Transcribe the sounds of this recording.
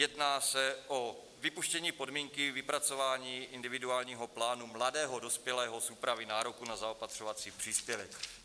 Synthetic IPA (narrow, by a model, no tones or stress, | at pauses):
jɛdnaːsɛʔo̞ | vɪpuʃcɛɲiːpo̞dmiːŋkɪvɪpɾat͡so̞vaːɲiːɪndɪvɪduaːlɲiːɦo̞plaːnumladɛːɦo̞do̞spjɛlɛːɦo̞suːpɾavɪnaːɾokunazaopat̪r̥ovat͡siːpr̝̥iːspjɛvɛk